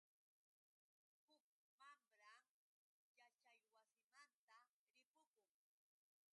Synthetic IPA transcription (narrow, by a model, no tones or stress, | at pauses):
hʊk̚ | mamɾam | jat͡ʃajwasɪmant̪a | ɾɪpʊkʊŋ